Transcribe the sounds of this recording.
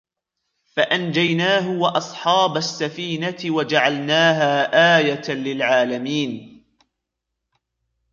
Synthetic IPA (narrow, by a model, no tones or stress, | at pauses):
faʔand͡ʒajnaːɦʊwaʔɑsˤħɑːbasːafiːnat̪ɪwad͡ʒaʕalnaːɦaːʔaːjat̪alɪlʕaːlamiːn